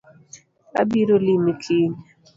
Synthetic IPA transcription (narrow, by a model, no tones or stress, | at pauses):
a̰biɾolimikʰiɲ